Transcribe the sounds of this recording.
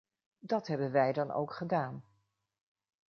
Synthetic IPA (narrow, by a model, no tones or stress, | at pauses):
dɑtɦɛbənʋɛjdɑno̰wkχədaːn